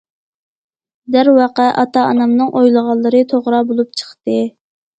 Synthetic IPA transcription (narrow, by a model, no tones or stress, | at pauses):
d̪æɾwɑqɛʔɑt̪ɑɑnɑmnɨŋʔojlˠəʁɑlˠːɨɾɨt̪ʰoʁɾɑbolˠup̚t͡ʃʰə̥χt̪ɨ